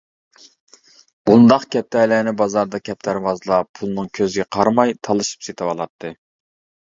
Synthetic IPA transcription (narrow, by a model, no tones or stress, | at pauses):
bund̪ɑqkʲʰɛp̚t̪ʰɛlænɪbɑzɑɾd̪ɑkʲʰɛp̚t̪ʰæɾvɑzlˠɑpʰulˠnɨŋkʲʰøzɪɡʲɛqʰɑɾmɑjt̪ʰɑlˠɨʃi̥pset̪ʰɪwɑlˠɑt̪ʰːɨ